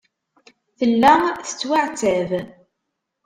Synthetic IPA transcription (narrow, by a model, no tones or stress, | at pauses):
θəlːæθə̥t͡sːwaʕt͡sæv